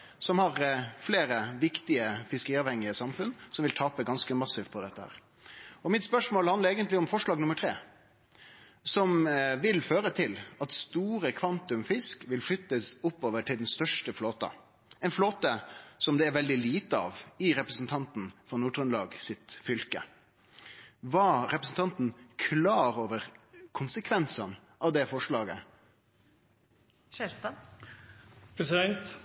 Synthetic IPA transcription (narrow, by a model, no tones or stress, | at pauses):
sɔmhɑɾfleːɾəʋɪkt̪ɪəfɪskəɾiːɑːʋhɛŋːɪəsɑmfʉnsɔmʋɪlt̪ʰɑːpəɡɑnskəmɑsːɪːʋt̪̚pʰɔd̪ɛt̪ːəhæ̰ːɾ | ɔmɪt̪spœʂmoːlhɑnləɾeːɡənt̪lɪɔmfɔʂɭɑːɡnʊməʈʰɾeː | sɔmʋɪlføːɾət̪ʰɪlɑt̪st̪uːɾəkʰʋɑnt̪ʉmfɪskʋɪlflʏt̪ːəsʊpːoːʋəʈʰɪld̪ɛnst̪œʂʈəfloːt̪ɑ̰ | ɛnfloːt̪əsɔmd̪ɛæɾʋɛld̪ɪliːt̪əɑ̰ːʋɪɾɛpɾəsn̩t̪ʰɑnt̪n̩fɔɾnuːʈʁʉnlɑːɡsɪt̪fʏlkə̰ | ʋɑːɾɛpɾəsn̩t̪ɑnt̪n̩kʰlɑːɾoːʋəɾkʰʊnsəkʰʋɛnsən | ʔɑʋd̪ɛfɔʂɭɑːɡə | ɛ | pʰɾɛsɪd̪ɛnt̪